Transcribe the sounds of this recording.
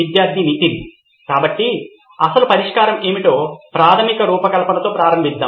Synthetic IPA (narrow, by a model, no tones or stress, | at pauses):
id̪jaːɾt̪ʰiːniʈ̪indi | kaːbɐʈːi | ɐsɐlupɐɾiʂkaːɾɐme̞ːmiʈo̞ːpɾaːt̪ʰɐmikɐɾuːpɐkɐlɐpɐnɐt̪o̞ːpɾaːɾɐmbʱisd̪ːa̰ː